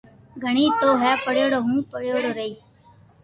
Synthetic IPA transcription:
ɡʱəɳ̃iːt̪oːɦɛːpəɽjoːɽɦũːpəɽjoːɽɾəiː

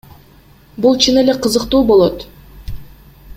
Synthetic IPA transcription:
bulˠt͡ʃʰɯne̞le̞qʰɯzɯqt̪uːbo̞lˠot̪

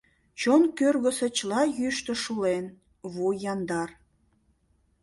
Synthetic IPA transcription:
t͡ɕonkørɣəsĕt͡ɕlɑjyʃt̪ə̆ʃulen | βujɑnd̪ɑr

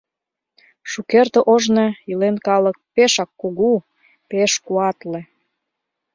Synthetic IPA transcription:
ʃukert̪əʔoʒneilenkɑlə̆k̚peʃɑkːoɣu | peʃkuɑt̪le

